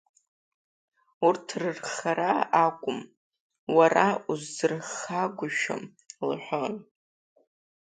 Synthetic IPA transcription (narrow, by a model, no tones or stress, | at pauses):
urtʰrɨrχaɾaakʷʼʊm | waɾauzzɨrχaɡʷʊʃa̰m | lħʷon